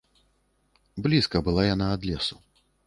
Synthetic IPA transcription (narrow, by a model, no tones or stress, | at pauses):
blʲiskɐbɨlˠajanaːd̪lʲɛsu̥